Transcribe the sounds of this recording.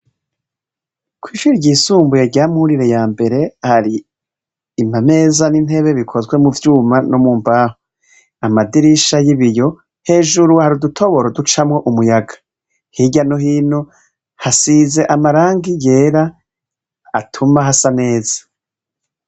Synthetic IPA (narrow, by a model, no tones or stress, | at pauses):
kwiːʃuɾɟiːsuːmbujeɟaːmuhuɾiɾe̞jaːmbe̞ɾe̞haɾiː | mame̞ːzanin̥e̞βe̞βikʰo̞zwe̞muvjuːmanomuːmbaho | amadiɾiʃajiβijo̞ | he̞ːʒuɾuhaɾudutʰo̞βo̞ɾodut͡ʃamwo̞ʔumujaɡḁ | hiɟanoɦiːno | hasize̞ʔamaɾaːŋɡije̞ːɾaː | tʰumaɦasane̞ːz̥ḁ